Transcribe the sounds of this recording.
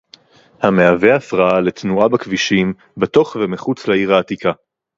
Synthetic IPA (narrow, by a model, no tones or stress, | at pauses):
hameave̞afʁaale̞t̪nuabakviʃim | beto̞χvemiχut͡sleiʁaːt̪ika